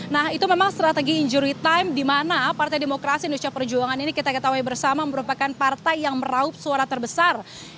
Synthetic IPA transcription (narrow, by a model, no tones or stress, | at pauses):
nahit̪umemaŋst̪ɾat̪eɡiːɲd͡ʒuɾit̪ajmdimanapart̪ajdemokɾasindustapərd͡ʒuaŋaninikit̪akat̪awaibərsamaməɾupakanpart̪ajːaŋməɾaʊp̚suaɾat̪ərbəsar